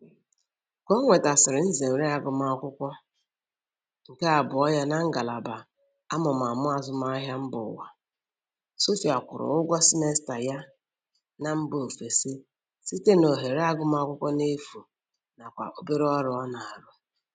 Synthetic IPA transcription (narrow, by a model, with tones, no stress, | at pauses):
ko˦ŋʷe˨ta˨sɪ˨ɾɪ˨n̩˦ze˨ɾe˦a˨ɡʊ˨ma˨ɔ˨kʷʊ˦kʷɔ˦ | ŋ̩˨ke˦a˨bʊ˨ɔ˦ja˦na˦ŋ̩˦ɡa˨la˨ba˨ | a˦mɔ˨m˨a˨mʊ˦a˨zʊ˦m˦a˦ɦja˦m̩˦bʊ˨wa̰˨ | so˦fi˨a˨kʷʊ̰˨ɾʊ̰˨ʊ˦ɡʷɔ˦si˦ne˦sta˨ja˦ | na˦m̩˦bo˨fe˨si˦ | si˦te˦no˨ɦe˨ɾe˦a˦ɡʊ˨m˦a˨˦kʷʊ˦kʷɔ˦ne˦fu˨ | na˨kʷa̰˨ʔo˦be˦ɾɔ˦ɾʊ˨ɔ˦na˨a˨ɾʊ˦